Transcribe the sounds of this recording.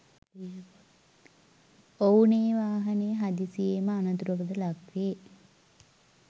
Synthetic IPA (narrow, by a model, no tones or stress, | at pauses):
owneːʋaːɦɐnejɦad̪isijeməanɐt̪uɾokəd̪əlakʋe